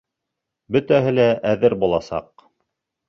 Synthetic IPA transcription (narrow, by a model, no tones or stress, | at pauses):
bɵ̆t̪æɦɘlæʔæðɘɾbulˠɑsɑ̰q